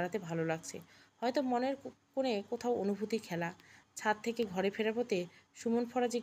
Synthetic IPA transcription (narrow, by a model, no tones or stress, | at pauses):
ɾat̪ebʱalolaɡ̚t͡ɕʰḛhɔet̪omoneɾkonekot̪ʰaoonubʱut̪ikʰɛlat͡ɕʰat̪ʰːekeɡʱɔɾefeɾapot̪eʃumonfɔɾad͡ʑi